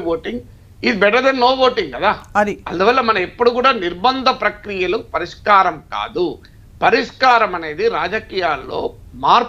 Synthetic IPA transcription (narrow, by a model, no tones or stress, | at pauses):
ʋoːʈiŋɡ | id̪ibɛʈɐɾd̪ɐnːoːʋoːʈiŋɡkɐd̪aːɐdiɐnd̪uʋɐlːɐmɐnɐepːuɽukuːɽaːniɾbɐnd̪ʱɐpɾɐkɾijɐlupɐɾiʂkaːɾɐmka̰ːd̪u | pɐɾiʂkaːɾɐmɐne̞ːd̪iɾaːd͡ʒɐkiːjaːlːo̞̰ː | maːɾ